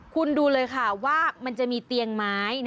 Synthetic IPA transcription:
kʰu˧nduː˧lɤː˧jkʰa˥˩waː˥˩ma˧nt͡ɕa˨˩ʔmiː˧t̪i˧əŋmaː˦˥jn

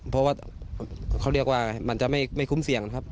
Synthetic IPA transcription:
pʰɔ˦˥waː˥˩ | kʰa˧˥˩wɾi˦˥˩ək̚waː˥˩ma˧˩nt͡ɕa˨ʔma˥˩jma˥˩jkʰu˦˥msi˨˦əŋna˧˥kʰa˦˥p̚

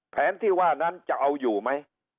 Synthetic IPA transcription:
pʰɛ˨˦nt̪ʰi˧waː˧˩˨n˧a˧nt͡ɕa˨˩wʔə˨˧wzu˨˩ma˧j

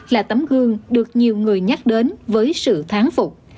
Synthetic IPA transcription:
laː˨˩t̪ə˨˦mɣɨ˨˧˩əŋɗɨ˨˩ək̚ɲi˨˩əwŋɨ˨˩əjɲa˦˥k̚ɗe˨˦nvəː˨˦jsɨ̰˧˨t̪ʰaː˨˦ŋfʊ˨˩k͡p̚

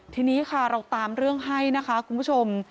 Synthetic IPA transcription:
t̪ʰiː˧niː˦˥kʰa˥˩ɾa˧wt̪aː˧mɾɯ˥˩əŋɦa˥˩jna˦˥kʰa˦˥kʰu˧npʰu˥t͡ɕʰo˧m

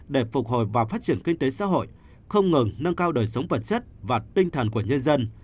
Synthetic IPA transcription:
ɗe˧˩fʊ˨˩k̚ɦo˨˩jvaː˨˩wfaː˦˥t̚t͡ɕi˧˩ənki˧ŋ̟t̪e˨˦sa̰ː˧˥ɦo̰˧˨j | xə˧wŋ͡mŋɨ˨˩ŋnə˧ŋkaː˧wɗəː˨˩jsə˨˦wŋ͡mvə˨˩t̚t͡ɕə˦˥t̚vaː˨˩t̪ï˧ŋ̟t̪ʰə˨˩nku˧˩əɲə˧nzə˧n

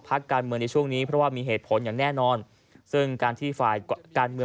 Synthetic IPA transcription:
pʰa˦˥kːaː˧nmɯ˧əŋna˧jt͡ɕʰu˥˩əŋniː˦˥pʰɾɔ˦˥waː˥˩miː˧ɦeː˨˩t̪̚pʰo˩˦njaː˨˩ŋnɛː˥˩nɔː˧n | sɯ˥˩ŋkaː˧nt̪ʰiː˥˩faː˨˩jkaː˧nmɯ˧

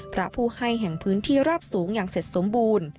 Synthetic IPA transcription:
pʰɾa˦˥pʰuː˥˩ha˥˩jɦɛ˨˩ŋpʰɯː˦˥nt̪ʰiː˥˩ɾaː˥˩p̚suː˩˦ŋjaː˨˩ŋse˨˩t̪̚so˨˩˦mbuː˧n

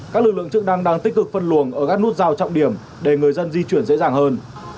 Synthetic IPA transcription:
kaː˦˥k̚lɨ˨˩k̚lɨ˧˨əŋt͡ɕɨ˦˥k̚na˧ŋɗaː˧ŋt̪i˦˥k̚kɨ˨˩k̚fə˧nlu˧˩ənʔəː˧˩ka˦˥k̚n˦˥t̚zaː˧˩wt͡ɕɔ̰˧˨wŋ͡mɗi˧˩əm | ɗe˧˩ŋɨ˨˩əjzə˧nzi˧t͡ɕwi˧˩ənzḛ˧˥zaː˨˩ŋhəː˧n

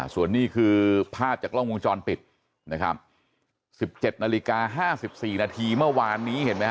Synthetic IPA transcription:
su˨˩ənːiː˥˩kʰɯː˧pʰaː˥˩p̚t͡ɕaː˨˩klɔ˥˩ŋʔu˧nt͡ɕɔː˧npi˨˩t̪̚ | na˦˥kʰa̰˦˥p̚ | si˨˩p̚t͡ɕe˨˩t̪̚naː˧li˦˥kaː˧ɦaː˥˩si˨˩p̚siː˨˩naː˧t̪ʰiː˧mɯ˥˩ɐwaː˧nːiː˦˥he˩˦nma˦˥

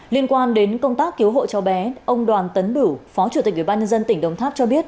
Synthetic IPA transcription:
li˧ənkwaː˧nɗe˨˦nkə˧wŋ͡mt̪aː˦˥kːi˨˦əwɦo̰˧˨t͡ɕɔ˨˦wɓɛ˨˦ʔə˧wŋ͡mɗwaː˨˩nt̪ə˨˦nɓɨ˧˩fɔ˨˦t͡ɕu˧˩i˨˩k̚ʔwi˧˩ɓaː˧ɲə˧nzə˧nt̪ï˧˩ŋ̟ɗə˧wŋ͡mt̪ʰaː˦˥p̚t͡ɕɔ˧ɓi˦˥ət̚

